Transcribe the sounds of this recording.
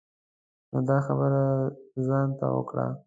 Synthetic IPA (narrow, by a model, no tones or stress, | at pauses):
nod̪ɑxabəɾazɑnt̪awə̰kɽa̰